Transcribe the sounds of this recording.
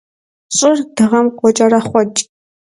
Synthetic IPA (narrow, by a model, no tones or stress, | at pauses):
ɕʼɪrd̥ɨʁɐmqʷɔt͡ʃʼɐɾɐχʷɔt͡ʃʼ